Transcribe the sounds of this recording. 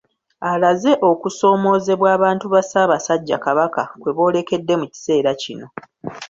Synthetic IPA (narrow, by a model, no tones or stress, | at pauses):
alaze̞ʔo̞kuso̞ːmo̞ːze̞βwaːβaːntuβasaːβasaɟːa̰kaβakakwe̞βo̞ːle̞ke̞dːe̞muci̥se̞ːɾacino̞